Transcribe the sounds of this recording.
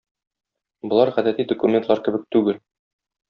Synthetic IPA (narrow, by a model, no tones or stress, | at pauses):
bŏlˠɑɾʁæd̪æt̪id̪ŏkumʲent̪lˠɑɾkɘ̆bɘk̚t̪ʉɡɘl